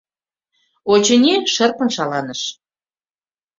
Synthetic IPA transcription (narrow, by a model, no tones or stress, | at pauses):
ot͡ɕə̆nʲeʃə̆rpə̆nʃɑlɑnəʃ